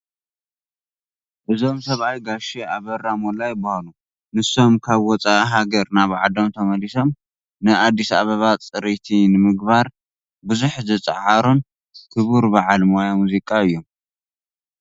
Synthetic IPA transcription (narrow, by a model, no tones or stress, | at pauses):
ʔɨzo̞msɐβajɡaʃeaβɐrːamolajbahalu | nɨso̞mkʰaβwɔt͡sʼaʔɦaɡɐɾnaβʕad̪omt̪ʰɐmɐliso̞m | nɨʔad̪ːisa̰βɐβat͡sʼɨɾet̪ʰinɨmɨɡ̚baɾ | buzuħzɐt͡sʼɨ̰ʕaɾon | kʰɨβuɾbaʕalmajamuzikʼaɨjːo̞m